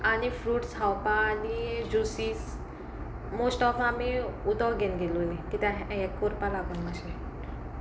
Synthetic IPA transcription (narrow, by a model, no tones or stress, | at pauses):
anifɾuʈshawpaːnid͡ʒusis | mosʈɔfameud̪ɔɡenɡelunikit̪aɦekːuɾpalaɡɔnmaʃe